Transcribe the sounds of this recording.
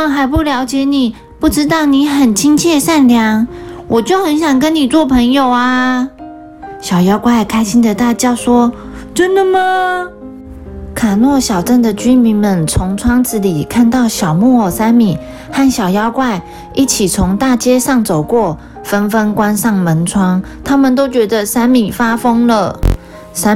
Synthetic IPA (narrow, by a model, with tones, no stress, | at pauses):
ŋxa˧˥ɪp̬u˥˩ljɑ˧˥ʊt͡ɕjɛ˧˥ni˨˩ | pu˥˩ʈ͡ʂɻ̩˥t̪ɑ˥˩ʊni˧˥xə˨˩nt͡ɕʰi˥ŋt͡ɕʰjɛ˥˧ʂa˥˩nljɑ˧˥ŋwʔɔ˨˩t͡ɕjo˥˩ʊxə˧˥nɕ̬jɑ˨˩ŋkə˦˥nni˨˩t͡swɔ˥˩pʰə˧˥ŋjo˨˩ʊa˧ | ɕjɑ˨˩ʊjɑ˥ʊkwa˥˩ɪkʰa˥ɪɕi˥ŋd̪ə˨t̪a˥˧t͡ɕjɑ˥˩ʊʂwɔ˥ | ʈ͡ʂə˥nd̪ə˨mə˨ | kʰa˨˩nwɔ˥˩ɕjɑ˨˩ʊʈ͡ʂə˥˩nd̪ə˨t͡ɕy˥nmi˧˥nmə˨nt͡sʰʊ˧˥ŋt͡sʰwɑ˥ŋt͡sɹ̩˧˥li˨˩kʰa˥˧nt̪ɑ˥˩ʊɕjɑ˨˩ʊmu˥˩˨sa˥nmi˨˩˦ | xa˥˩nɕjɑ˨˩ʊjɑ˥ʊkwa˥˧ɪ | i˥˩t͡ɕʰi˨˩t͡sʰʊ˧˥ŋt̪a˥˩t͡ɕjɛ˥ʂɑ˥˩ŋt͡so˨˩ʊkwɔ˥˩ | fə˥nfə˥nkwa˥nʂɑ˥˩ŋmə˧˥nt͡sʰwɑ˥ŋ | t̪ʰa˥mə˨nt̪o˥ʊt͡ɕɥɛ˧˥d̪ə˧sa˥nmi˨˩fa˥fɤ˥ŋlə˨ | sa˥